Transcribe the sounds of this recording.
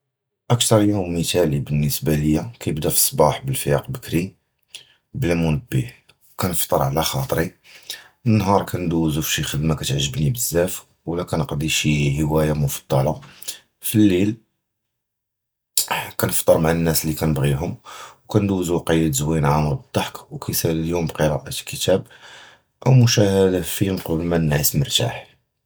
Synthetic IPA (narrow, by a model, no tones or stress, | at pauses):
ʔəkt̪ɑɾˤjummət̪ælibənːəsbæləjːakæjəbd̪æfi̥sˤːbɑħbəlfjɑqbəkɾi | blæmʊnəbːih | wkænəft̪ˤəɾˤʕalæxɑt̪ˤɾi | ənːɦɑɾˤkʰænd̪uzufʃixəd̪mækæt̪ʕʒːəbnibəzːæf | wlækænəqd̪iʃihəwæjamʊfɑ̥d̪ˤːɑlɑ | filːil | kænəft̪ˤːəɾˤmaʕanːæslikænəbɣiɦʊmwkænd̪uzuqɑjːəd̪zwinʕamɾbəd̪ˤːɑħkwkæjsæld̪ʊmbqəɾɑʔət̪lkət̪æb̚ | ʔəwmʊʃæhd̪afimqbəlmænːʕisməɾt̪a̰ħ